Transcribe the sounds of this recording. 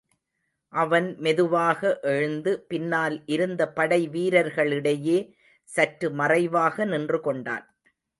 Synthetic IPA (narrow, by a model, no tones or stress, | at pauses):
ʔɐʋɐnmɛðɯʋaːɣɐʔɛɻɯnd̪ɯpɪnːaːlʔɪɾɯnd̪ɐpɐɽɐɪʋiːɾɐɾɣɐɭɪɽɐjeː | sɐʈɾɯmɐrɐɪʋaːɣɐnɪndrɯkɔɳɖa̰ːn